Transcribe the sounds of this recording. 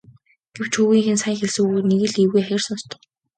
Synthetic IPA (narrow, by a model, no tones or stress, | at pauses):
ɡ̥ew̥t͡ɕʰxuɣiːŋxĕnsaɪŋxeɮsɘ̆uneɣɘ̆ɮiwɣujajʲɪ̆rsɔnst̪ʰə̥̆